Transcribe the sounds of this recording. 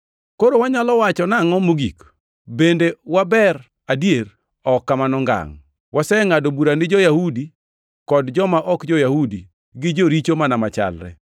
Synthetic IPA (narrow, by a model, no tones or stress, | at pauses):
koɾowaɲalɔwat͡ʃɔnaŋɔmoɡik | bendewabɛɾ | adjer | ɔkːamanɔŋɡa̰ŋ | wasɛŋadobuɾanɪd͡ʒɔjahudi | kɔdd͡ʒɔmaʔɔkd͡ʒɔjahudi | ɡɪd͡ʒoɾit͡ʃomanamat͡ʃa̰lɾɛ̰